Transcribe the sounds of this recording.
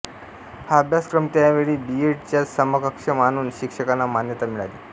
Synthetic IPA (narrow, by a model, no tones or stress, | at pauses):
haəbʱjaskɾəmt̪jaʋeɭiːbieʈ̚t͡ɕjasəməɡəkʂəmañuːnɕikʂəkanːamanjət̪amiɭale